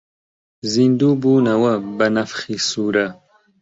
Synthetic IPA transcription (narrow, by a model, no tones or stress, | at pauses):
zind̪uːbuːnɐwɐbɐnɐfχiːsuːɾɐ